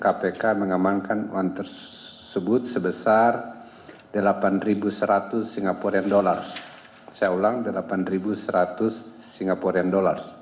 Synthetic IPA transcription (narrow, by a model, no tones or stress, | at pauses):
kapekaməŋamaŋkanuwaŋt̪ər | səbʊt̪̚səbəsar | dəlapanribusəɾat̪ʊsːiŋɡapɔɾiandolar | sajaulaŋdəlapanribusəɾat̪ʊsː | iŋɡapɔɾiandolar